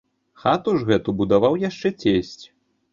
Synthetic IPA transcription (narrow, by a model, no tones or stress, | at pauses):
xat̪uʐɣɛt̪ubud̪avawjaʂt͡ʂɛt͡sʲesʲt͡sʲ